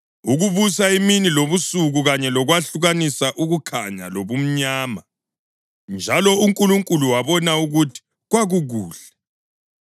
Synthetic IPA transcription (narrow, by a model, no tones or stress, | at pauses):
uɣuβusaiminiloβusuɣuɣaɲɛlɔɣwaɬuɣanisaʔuɣukʰaɲa̰loβum̩ɲaːma | nd͡ʒʱalɔuŋkʼuluŋkʼuluwaβɔnauɣutʰi̥ | ɣwaɣuɣuːɮɛ